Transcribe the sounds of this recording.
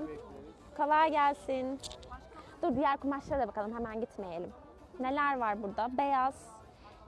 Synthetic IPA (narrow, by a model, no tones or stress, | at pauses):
m | kʰalaːɟælʲsin | d̪uɾd̪ijæɾkumaʃlˠaɾad̪abakʰalˠɯmɦemænɟit̪me̞jelʲim | ne̞lʲæɾvaɾbuɾd̪abe̞jaz̥